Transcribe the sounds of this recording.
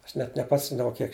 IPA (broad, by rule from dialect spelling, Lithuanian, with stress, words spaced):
ˈɐʃ nʲɛt nʲɛˈpɑːsʲɪmdɐʋɐʊ ˈkʲiɛk